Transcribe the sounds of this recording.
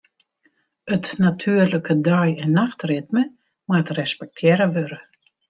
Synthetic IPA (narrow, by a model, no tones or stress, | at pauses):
ətnatʰyərləkədɔjɛnːaxtrɪtmə | mwatrɛspɛk̚tʰjɛɾəʋøɾə